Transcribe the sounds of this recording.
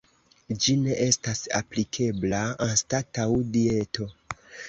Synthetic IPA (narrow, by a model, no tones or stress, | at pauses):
d͡ʒine̞ʔe̞stasa̰plikʰe̞blaanstatawdie̞to̞